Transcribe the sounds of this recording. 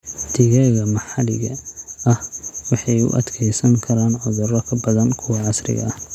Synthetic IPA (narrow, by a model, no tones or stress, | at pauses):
dt̪ʰɪɣɛɣɐmɑħɑlɪ̰ɣɐ̰ɐhwɑħɑjʊ̰ʔɐd̪kʰɛjsɐŋkʰɐɾaːnʕʊðʊrɔkʰɐbɐðɐnkʰʊwɑʕɑsrɪ̰ɣɐ̰ɐh